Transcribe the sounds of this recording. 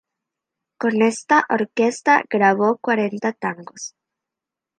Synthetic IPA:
ko̞ne̞st̪aʔoɾke̞st̪a̰ɡɾaβokwaɾe̞nt̪at̪aŋɡo̞s

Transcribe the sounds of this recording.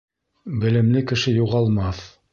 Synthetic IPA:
bɘ̆lɘ̆mlɘkɘ̆ʃɘjuʁɑlˠmɑθ

